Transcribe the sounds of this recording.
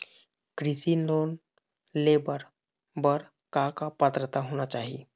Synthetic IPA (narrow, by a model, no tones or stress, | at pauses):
kɾisiːlon | lebəɾ | bəɽ | kakapət̪ɾət̪aɦoñat͡ɕaɦḭ